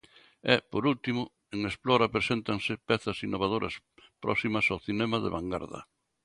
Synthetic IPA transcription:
ɛpoɾult̪imʊ | eŋesplɔɾapɾesent̪aŋsɪpɛθɐsinːoβað̞oɾʔɐ̰s | pɾʔɔ̰simɐsawθinɛmaðḛβaŋɡa̰ɾðɐ̰

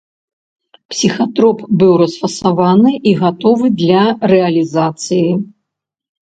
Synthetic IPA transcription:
psʲixat̪ɾɔpbɨwɾɐsfɐsavanɨʔiɣat̪ɔvɨd̪lʲɐrɛɐlʲizat̪sɨji

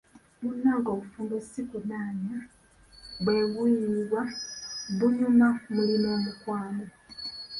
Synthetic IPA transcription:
munːaːŋɡo̞ːβufuːmbesikunaːɲa | βwe̞ːβiiβwa | βuɲumamulinoːmukwaːno

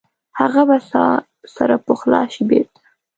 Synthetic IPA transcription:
haɣabasɑ | saɾapoxlɑ̰ʃibet̪

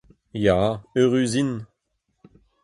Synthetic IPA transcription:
jaøʁyzin

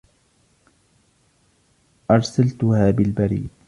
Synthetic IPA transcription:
ʔɑɾˤsalt̪ʊhaːbɪlbaɾḭːd̪

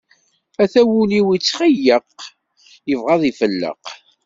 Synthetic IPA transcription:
æθæwuliwit͡sːχijəq | jəvʁɑðˤifəlːə̰q

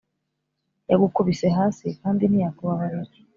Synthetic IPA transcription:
jaɡukuβiseɦaːsikaːndinijakuβaβaɾaji̥

